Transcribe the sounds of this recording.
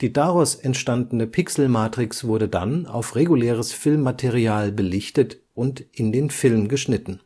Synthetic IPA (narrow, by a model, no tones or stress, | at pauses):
d̥iːdaʁɔsɛntʃtandn̩əpʰɪksl̩maːtʁ̥ɪksv̥ʊɐdəda̰na̰ʊfʁeɡuleːʁəsfɪlmːatʰeʁiaːlbəlɪçtət | ʔʊntʔɪndeːnfɪlmɡəʃnɪtn̩